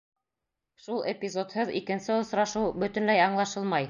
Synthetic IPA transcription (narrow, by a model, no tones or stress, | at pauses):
ʃulˠepʲizo̞t̪hɤðḭkɘ̆nsɘŏsɾɑʃɤwbɵ̆t̪ɵ̆nlæjɑɴlˠɑʃɤlˠmɑj